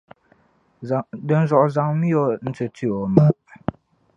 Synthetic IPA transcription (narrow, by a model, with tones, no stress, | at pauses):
dɨ˦n˦zʊ˨ʔʊ˨za˨ŋmi˦o˦n̩˦tɨ˨ti˦o˨ma˦˨